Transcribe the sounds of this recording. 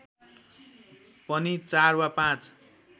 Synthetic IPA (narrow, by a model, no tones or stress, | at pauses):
pʌnit͡sarwapãt͡s